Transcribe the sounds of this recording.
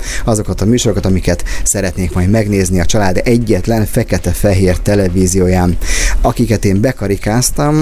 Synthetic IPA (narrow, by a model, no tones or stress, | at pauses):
ɒzo̞kɒt̪ɒmyːʃo̞ɾo̞kɒt̪ɒmikɛt̪sɛɾɛt̪neːkmɒjd̪mɛɡneːzniɒt͡ʃɒlaːd̪ɛɟːɛt̪lɛɱfɛkɛt̪ɛfɛɦeːrt̪ɛlɛviːzijoːjaːnɒkikɛt̪eːmbɛkɒɾikaːst̪ɒm